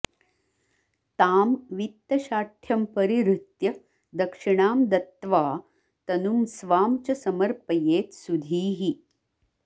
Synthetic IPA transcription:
t̪aːmʋit̪ːɐɕaːʈʰjɐmpəɾiɾut̪jɐ | d̪ɐkʂiɳaːmd̪ɐt̪ʋaː | t̪ɐnumsʋaːmt͡ɕɐsɐməɾpɐjeːt̪sud̪ʱiːɦi

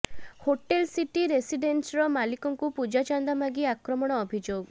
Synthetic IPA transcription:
hoʈelsiʈiɾesiɖensɾɔmalikɔŋkupud͡ʒat͡ʃand̪amaɡiakɾɔmɔɽ̃ɔːbʱid͡ʒoɡ

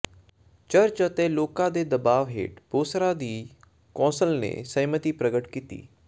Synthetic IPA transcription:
t͡ʃəɾt͡ʃət̪eːloːkãːd̪eːd̪əbaːʋɦḛːʈpoːsɾãːd̪iː | kɔ̃ːsəlnḛːsəjmət̪iːpɾəɡəʈkiːt̪ḭː

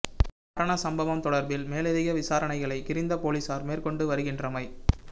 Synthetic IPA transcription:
kɐɾɐɳɐsɐmbɐʋɐmt̪ɔɽɐɾbɪlmeːlɛðɪɣɐʋɪsaːɾɐɳɐɪɣɐɭɐɪkɪɾɪnd̪ɐpoːliːsaːɾmeːrkɔɳɖɯʋɐɾɯɣɪndrɐmɐɪ

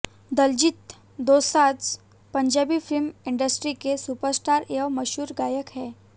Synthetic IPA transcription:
d̪əld͡ʑit̪ | d̪osat͡s | pəɲd͡ʑabifilmiɳɖəsʈɾikesupəɾsʈaɾjaʋməɕuːɾɡajəkɦɛ

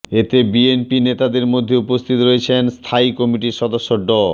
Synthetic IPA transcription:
et̪ebienpinet̪ad̪eɾmod̪ʱːeupost̪ʰit̪oɾoet͡ɕʰenst̪ʰaikɔmiʈiɾʃɔd̪oʃːoɖɔ

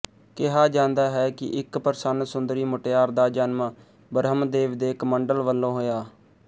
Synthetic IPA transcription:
kɪɦaːd͡ʒãːnd̪aːɦɛːkɪ̰ʔɪkpəɾsənsʊnd̪ɾiːmʊʈːaːɾd̪aːd͡ʒaːnmaː | bəɾɦəmd̪eːʋd̪eːkməɳɖəlʋəlːõːɦoːjaː

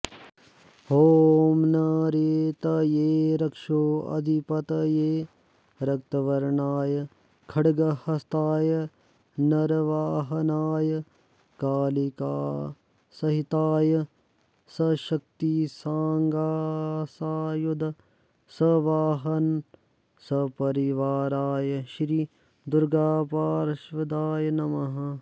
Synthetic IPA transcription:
hoːmnɐɾeːt̪ɐjeːɾɐkʂoːɐ̰d̪ʱipɐt̪ɐjeː | ɾɐk̚t̪ɐʋɐɾɳaːjɐ | kʰɐɽɡɐhɐst̪aːjɐ | nɐɾʋaːɦɐnaːjɐ | kaːlika̰ː | sɐɦit̪aːjə | sɐʃɐk̚t̪isãːŋɡaːsaːjud̪ | sɐʋaːɦɐn | sɐpɐɾiʋaːɾaːjʃɾi | d̪ʊɾɡaːpaːɾʃʋɐd̪aːjnɐmɐɦɐ

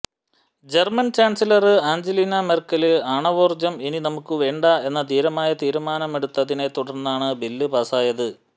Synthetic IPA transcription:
d͡ʑermɐnt͡ɕaːnsilɐrɨaːɲd͡ʑelinɐmerkɐlɨɐɳɐʋoːrd͡ʑɐmininɐmukːɨʋe̞ːɳɖɐe̞nːɐt̪iːɾɐmaːjɐt̪iːɾumaːnɐme̞ɽut̪ːɐðine̞t̪uɽɐrnːaːɳɨbilːɨbaːsaːjɐðɨ

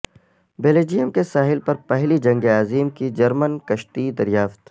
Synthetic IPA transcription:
beːleːd͡ʒijəmkesaːɦɪlpɐɾpɛɦlid͡ʒɐ̃ŋɡeaːziːmkid͡ʒɐɾmənkɐʃt̪id̪ɐɾjaːft̪

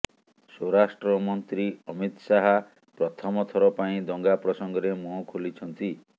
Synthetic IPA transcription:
soɾasʈɾɔmɔnt̪ɾiɔmit̪saɦa | pɾɔt̪ʰɔmɔt̪ʰɔɾɔpaĩd̪ɔŋɡapɾɔsɔŋɡɔɾemɔkʰolit͡ʃʰɔnt̪i

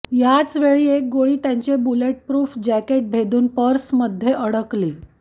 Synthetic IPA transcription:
jat͡sʋeɭiːek̚ɡoɭiːt̪jaɲt͡ɕebuleʈ̚pɾuːfd͡ʑækeʈ̚bʱed̪uːnpəɾsməd̪ʱːjeʔəɽəkliː

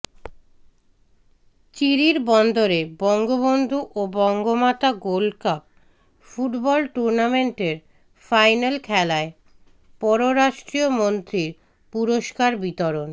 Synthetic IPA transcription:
t͡ɕiɾiɾbɔnd̪oɾebɔŋɡobond̪ʱuʔobɔŋɡomat̪aɡolkap̚ | fuʈbɔlʈuɾnameɳʈeɾ | fajnalkʰɛlae | pɔɾoɾaʃʈɾiomont̪ɾiɾ | puɾoʃkaɾbit̪oɾon

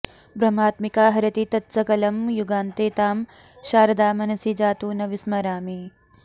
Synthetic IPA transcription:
bɾɐmaːt̪mikaːɦɐɾɐt̪it̪ɐt̪sɐkɐlɐmjuɡaːnt̪eːt̪aːm | ʃaːɾɐd̪aːmɐnɐsid͡ʒaːt̪uːnɐʋismɐɾaːmi

